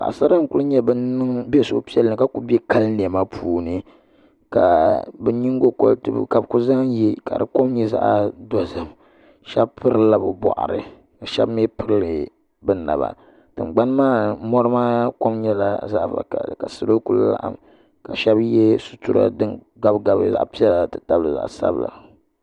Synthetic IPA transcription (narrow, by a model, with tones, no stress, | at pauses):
ka̰˨ʔsa˦ɾa˦ŋ̩˦˨ku˦lu˦ɲɛ˦bɨ˦nɨ˦ŋbɛ˦so˨ʔpi˦ɛ˦lɨ˨ka˦ku˦bɛ˦ka˦lni˨ɛ˨ma˦pʰuː˨nɨ˨ | ka̰˨bɛ˦ɲi˦ŋ˦ɡo˦ko̰˨tɨ˨bka˨bku˦za˦jɛ˦ka˨ɾɨ˨ko˦mɲɛ˦za̰˦ʔdɔ˨zɨ˨m | ʃɛ˦bpɨ˦ɾɨ˦la˨bɨ˨bɔ̰˨ʔa̰˨ɾɨ̰˨ | ka˨ʃɛ̰˦bm˦ɛ˦pɨ˦ɾlɨ˨ | bɨ˦na̰˨βa̰˨ | tɨ˨m˨ɡ͡ba˦n˦maː˦mɔ˦ɾɨ˦maː˦ko˦mɲɛ˦la˨za˦ʔba̰˨a̰˨ka˨sɨ˨lo˦ku˨lla̰˦ʔa̰˨m | ka˨ʃɛ˦bjɛ˦su̥˨tu˦ɾa̰˦dɨ˦n | ɡa˦bɡa˨bɨ˦za̰˨ʔpi˦ɛ˦la˨tɨ˨ta˦bɨ˦˨za̰˨ʔsa̰˦bɨ˨la̰˨